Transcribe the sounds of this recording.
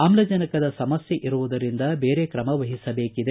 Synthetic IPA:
amlɐd͡ʒɐnɐkɐd̪ɐsɐmɐsjeʔiɾuʋud̪ɐɾind̪ɐbeːɾekɾɐmɐʋɐɦisɐbeːkid̪e

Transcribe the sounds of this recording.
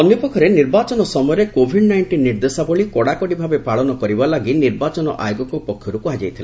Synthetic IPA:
ɔnjɔpɔkʰːɔɾeniɾbat͡ʃɔnɔsɔmɔjɔɾekobʱiɖnajɳʈinːiɾd̪esabɔɭikɔɽakɔɽibʱabepaɭɔnɔkɔɾibalaɡiniɾbat͡ʃɔnɔ̰ʔa̰joɡɔkɔpɔkʰjɔɾukuɦad͡ʒajt̪ʰila

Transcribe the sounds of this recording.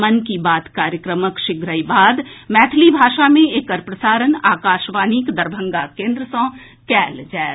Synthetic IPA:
mənkibaːt̪kaːɾjəkɾəməkʃɪɡɾəibaːd̪mɛːt̪ʰlibʱaːʃamẽeːkəɾpɾəsaːɾənaːkaːʃʋaːniːkd̪əɾbʱə̃ŋɡakẽːnd̪ɾəsɔ̃ | kɛːld͡ʒaːe

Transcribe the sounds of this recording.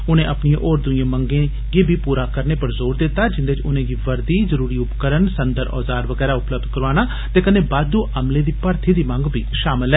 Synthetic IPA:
ʊnẽːʔəpnijẽːʔoːɾd̪ʊiãːməŋɡẽː | ɡeːbʱiːpuːɾaːkəɾneːpəɾzoːɾd̪ɪt̪ːaːd͡ʒɪnd̪eɪt͡ʃʊnẽːɡiːʋəɾd̪iːzəɾuːɾiːʊpkəɾənsənd̪əɾʔɔ̰ːzaːɾʋəɡɛːɾaːʊpləb̚d̪̚kəɾaːnaː | t̪eːkəneːbaːd̪uːʔəmleːd̪iːpəɾt̪ʰiːd̪iːmə̃ŋɡbʱḭːʃaːmɪlɛː

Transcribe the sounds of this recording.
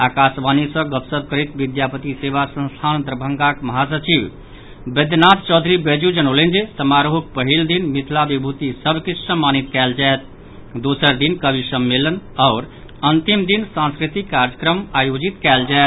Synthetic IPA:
aːkasbanisə̃ɡəpsəb̪̚kəɾit̪ʋid̪japət̪isebasə̃nst̪ʰand̪ɾəbʱə̃ŋɡakmɐɦasət͡ʃiʋ | bəd̪nad̪t͡ʃɔːd̪ʱɾibed͡ʒud͡ʒənolend͡ʒesəmaɾoɦuk̚pəɦild̪inmit̪ʰlabibʱut̪isəbʱkisəmːanit̪kɛld͡ʒaet̪ | d̪osəɾd̪inkəbʱisəmːelənɔːɾ | ənt̪imd̪insãnskɾit̪ikːaɾd͡ʒəkɾəmajod͡ʒit̪kɛːld͡ʒaet̪

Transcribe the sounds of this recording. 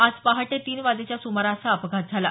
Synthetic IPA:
ad͡zpaɦaʈet̪iːnʋad͡z̪et͡ɕjasumaɾasaəpɡʱat̪̚d͡zʱala

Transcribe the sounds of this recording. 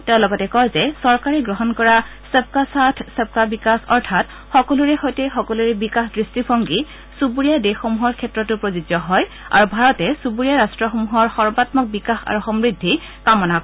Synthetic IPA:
tɛʊ̃lɔɡɔtɛkɔjzɛsɔɹkaɹɛɡɹɔɦɔnkɔɹa | sɛp̚kasatʰsɛb̚kabikasɔɹtʰat | xɔkɔluɹɛxɔjtɛxɔkɔluɹɛbikaxdɹistibʰɔŋɡi | subuɹijadexɔmuɦɔɹkʰɛtɹɔtʊpɹozizɔɦɔj | a̰ɹubʱaɹɔtɛsubuɹijaɹastɹɔxomuɦɔɹxɔɹbatmɔk̚bikaxa̰ɹuxɔmɹidʱːi | kamɔnak

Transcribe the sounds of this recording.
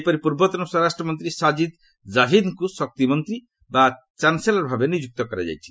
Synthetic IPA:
pɔɾipuɾbɔt̪ɔnɔsɔɾasʈɾɔmɔnt̪ɾisad͡ʒid̪ | d͡ʒaɦid̪kusɔk̚t̪imɔnt̪ɾi | ba | t͡ʃanselɔɾbʱabenid͡ʒuk̚t̪ɔkɔɾa̰d͡ʒa̰jt͡ʃʰi̥

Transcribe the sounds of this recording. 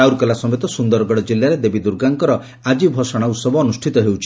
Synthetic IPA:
awɾkɔlasɔmet̪ɔsund̪ɔɾɔɡɔɽɔd͡ʒilːaɾed̪ebid̪uɾɡaŋkɔɾɔ | ad͡ʒibʱɔsɔɽ̃ausɔbɔːnusʈʰit̪ɔɦewt͡ʃʰi̥

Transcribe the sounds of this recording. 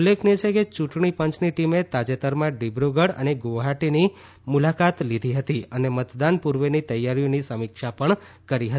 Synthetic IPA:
ulːekʰniet͡ʃʰeket͡ʃũʈɳipə̃ɲt͡ʃniʈimet̪ad͡ʒet̪əɾmãɖibɾoɡəɽə̰neɡoʋɦaʈini | mulakat̪lid̪ʱiɦət̪iənemət̪d̪anpuɾʋenit̪əjːaɾijonisəmikʃapəɳ | kəɾiɦət̪i

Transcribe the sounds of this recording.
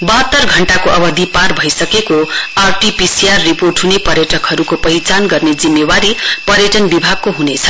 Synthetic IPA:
bʌɦʌt̪ːʌrɡʱʌɳʈakoʔʌbʌd̪ʱiparbʱʌjsʌkekoarʈipisiarːiporʈɦunepʌɾjʌʈʌkɦʌɾukopʌɦit͡sanɡʌrned͡zimːewaɾipʌɾjʌʈʌnbibʱaɡ̚koɦunet͡sʰʌ̥

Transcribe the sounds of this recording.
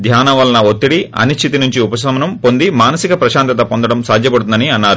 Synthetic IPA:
d̪ʱjaːnɐʋɐlɐnɐot̪ːiɽiɐ̰niʃt͡ʃʰːit̪inuɲt͡ʃiupɐsɐmɐnɐmpo̞nd̪imaːnɐsikɐpɾɐʃaːnt̪ɐt̪ɐpond̪ɐɽɐmsaːd̪ʱjɐpɐɽut̪und̪ɐniɐnːaːɾu

